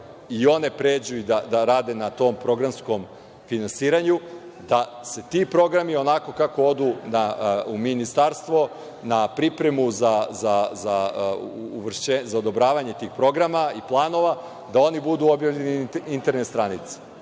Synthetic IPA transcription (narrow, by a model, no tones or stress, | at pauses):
io̞ne̞pɾeːd͡ʑujud̪ad̪aɾaːd̪e̞nat̪o̞ːmpɾo̞ɡɾamsko̞m | finansiːɾaɲu | d̪a | se̞t̪ipɾo̞ɡɾamio̞nako̞kakood̪unauminist̪aɾst̪ʋo̞ | napɾipɾe̞muzazazaː | ʋr̩ʃt͡ɕezaod̪o̞bɾaːʋaɲet̪iːxpɾo̞ɡɾamaiplˠaːno̞ʋa | d̪ao̞nibud̪uo̞bjaʋʎe̞niint̪e̞ɾnet̪st̪ɾanit̪se̥